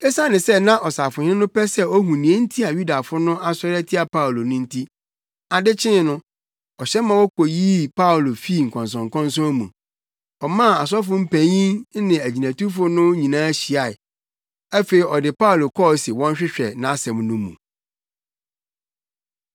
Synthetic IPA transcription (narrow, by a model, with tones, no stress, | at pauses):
ɛ˦sã˦nɪ̃˨sɛ˦nã˦ʔɔ˨sa˨fʊ˨ɲ˦ɪ̃˦nʊ̃˦pɛ˦sɛ˦ɔ˦ɦũ˨nĩ˨e˦n̩˦tʰi˦a˨ɥu˦da˨fʊ˦nʊ̃˦ʔa˦sɔ˦ɾɛ˦tʰi˦a˨pʰa˦ʊ˨lo˨nʊ̃˦n̩˦tʰi˦ | a˨dɪ˦t͡ɕʰɪ̃˦nʊ̃˦ | ɔ˨ɕɛ˦mã˨wɔ˦kʰo˨jiː˦pʰa˦o˨lo˨fi˦˨ŋ̩˨kʰɔ̃˨ns̬ɔ̃˨ŋ̩˨kʰɔ̃˦nsɔ̃˦mũ˨ | ɔ˨mã˦˨a˨s̬ɔ˦fʊ˦m̩˦pʰæ̃˨ɲĩ˦nɪ̃˨æ˨d͡ʑi˨næ̃˨tu˦fʊ˦nʊ̃˦ɲĩ˨nãː˦ɕi˨a˨ɪ˨ | æ˦fe˨i˨ɔ˨dɪ˨pa˦o˨lo˨kʰɔ˦˨si˨wɔ̃˦n˦ɕᶣɪ˦ɕᶣɛ˨nã˨˦sɛ̃˨m˦nʊ̃˦mṵ̃˨